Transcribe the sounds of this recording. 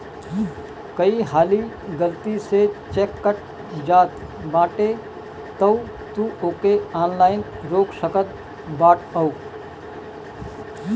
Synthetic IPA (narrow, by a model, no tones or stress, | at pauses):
kəiɦaːli | ɡəlt̪iset͡ʃeːkːəʈ̚ | d͡ʒaːt̪ | baːʈe | t̪əu | t̪uoːkeaːnlaːɪn | ɾoːksəkət̪̚ | baːʈʰəu